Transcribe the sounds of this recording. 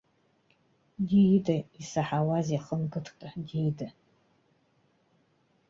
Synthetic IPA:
dijdaisaħawazjaχəmɡɨtʰtʼadijda

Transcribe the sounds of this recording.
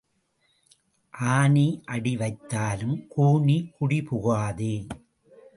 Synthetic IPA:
ʔaːniʔɐɽiʋɐɪt̪ːaːlɯmkuːɳikʊɽipʊɣaːðɯ

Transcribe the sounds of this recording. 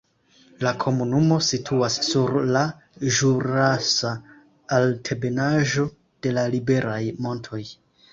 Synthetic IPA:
lakʰo̞munumo̞sitʰuasːuɾla | ʒuɾasa | altʰe̞be̞naʒo̞ | d̥e̞lalibe̞ɾajmo̞ntʰo̞j

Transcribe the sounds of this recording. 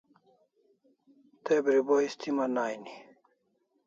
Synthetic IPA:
t̪ebɾiboist̪ʰimanaːjni

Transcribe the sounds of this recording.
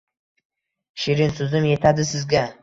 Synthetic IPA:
ʃɪɾɪnsʊzɪmje̞t̪ʰad̪ɪsɪzɡʲa

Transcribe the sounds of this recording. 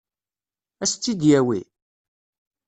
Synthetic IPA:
æst͡s̪t͡sːid̪jæwi

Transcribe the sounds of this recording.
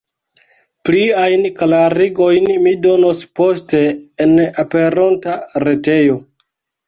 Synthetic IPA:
pliajnklaɾiɡo̞jnmido̞nospo̞ste̞ːnape̞ɾontaɾe̞te̞jo̞

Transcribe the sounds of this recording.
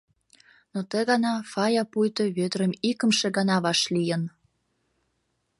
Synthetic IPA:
not̪əɣɑnɑfɑjɑpujt̪ə̆βød̪ɾəmikə̆mʃeɡɑnɑβɑʃlijən

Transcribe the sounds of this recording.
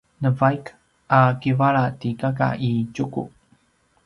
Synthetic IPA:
nəvajk | ʔakivaɭatikaka̰ʔicukṵ

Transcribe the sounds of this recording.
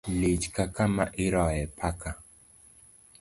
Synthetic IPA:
lit͡ʃkakamaʔɪɾɔjɛpʰaka

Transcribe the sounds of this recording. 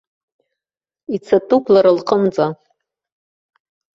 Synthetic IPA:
it͡sʰatʼukʷʼlaɾalqʰʼəmt͡sʼa

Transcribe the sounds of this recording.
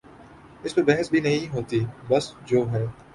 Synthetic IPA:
ɪsmebɛɦəsbʱinɐɦĩɦoːt̪ibɐsd͡ʒoːɦɛː

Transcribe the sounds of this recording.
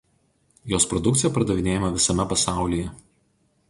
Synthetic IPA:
joːspɾɔd̪ʊkt̪sɪjɛpɐɾɐd̪ɐʋʲɪnʲeːjɛmɐʋʲɪsɐmʲɛpɐsɑˑʊlʲiːjɛ

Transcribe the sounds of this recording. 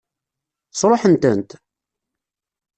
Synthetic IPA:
sˤɾˤoħənt̪ənt̪

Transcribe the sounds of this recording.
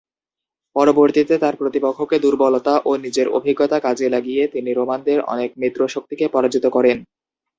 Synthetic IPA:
pɔɾoboɾt̪it̪et̪aɾpɾot̪ipokʰːoked̪uɾbɔlot̪aʔonid͡ʑeɾo̰bʱiɡːot̪akad͡ʑelaɡijet̪iniɾomand̪eɾɔ̰nekmit̪ːɾoʃok̚t̪ikepɔɾad͡ʑit̪okɔɾen

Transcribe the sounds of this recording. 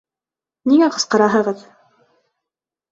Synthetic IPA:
niŋæqɤ̆sqɤ̆ɾɑɦɤ̆ʁɤð

